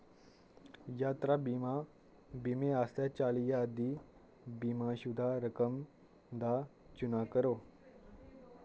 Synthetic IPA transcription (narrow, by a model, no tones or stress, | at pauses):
jat̪ɾabima | bimeast̪jat͡ɕalijad̪ʱi | bimãɕud̪ʱaɾəkəm | d̪a | t͡ɕunakəɾo